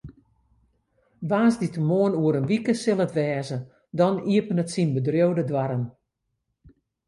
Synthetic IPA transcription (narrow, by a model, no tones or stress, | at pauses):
ʋaːnzditəmoənuəɾənʋikəsɪlˠətʋɛːzə | dɔniəpənətsinbədrjowdədwaɾən